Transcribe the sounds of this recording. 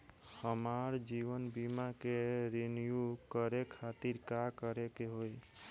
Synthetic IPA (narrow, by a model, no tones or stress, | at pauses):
həmaɾd͡ʒiʋənbimakeɾenijukəɾekʰat̪iɾkakəɾekeɦoj